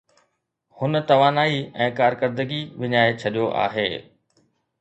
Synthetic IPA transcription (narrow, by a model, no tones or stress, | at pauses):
hʊnət̪ɐʋaːnaːiɛ̃ːkaːɾkəɾd̪əɡiʋɪɲaːet͡ɕʰɐɗijoʔa̰ːɦeː